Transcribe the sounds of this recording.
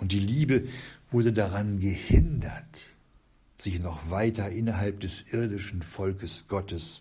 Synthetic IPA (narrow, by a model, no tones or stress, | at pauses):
ʔʊnt̚d̥iːliːbəvʊɐdədaʁanɡəhɪndɐ̰t | z̥ɪçnɔχv̥aɪtɐʔɪnɐɦalp̚d̥ɛsʔɪɐdɪʃn̩fɔlkəsɡ̥ɔtəs